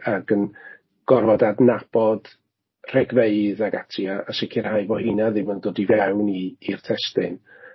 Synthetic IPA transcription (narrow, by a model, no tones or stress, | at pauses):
aɡən | ɡ̥ɔrvɔdadnab̥ɔd̥ | r̥ɛɡveɨðaɡatʰriaʔaʃɪkʰirhajvɔhɪnaðɪməndoːdivɛwniːrtʰɛstɪn